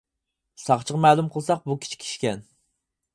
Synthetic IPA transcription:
sɑχt͡ʃʰəʁmɛːlˠumqʰəlˠsɑq̚bukʲʰi̥t͡ʃʰi̥kʲʰi̥ʃkʲɛn

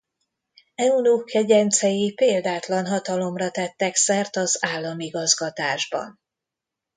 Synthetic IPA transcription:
ɛunukɛɟɛnt̪sɛjipeːld̪aːt̪lɒnɦɒt̪ɒlo̞mrɒt̪ɛt̪ːɛksɛrt̪ɒzaːlːɒmiɡɒzɡɒt̪aːʒbɒ̰n

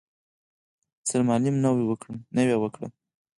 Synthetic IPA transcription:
t͡səɾmɑlimnawiwəkɽəmnəwewəkɽə̰m

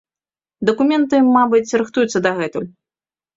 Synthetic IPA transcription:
d̪ɐkumʲɛnt̪ɨmabɨt͡sʲɾɨxt̪ujut̪sːɐd̪ɐɣɛt̪ulʲ

